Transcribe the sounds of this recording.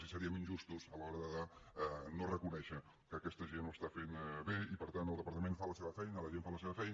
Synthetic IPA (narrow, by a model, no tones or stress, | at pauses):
sisaɾiəmẽnʒust̪usələɔɾəðəðanorəkunɛʃə | kəkɛst̪əʒenoəst̪afenβeipəɾt̪anəlˠd̪əpəɾt̪əmẽnfaləseβəfɛjnələʒenfaləseβəfɛjn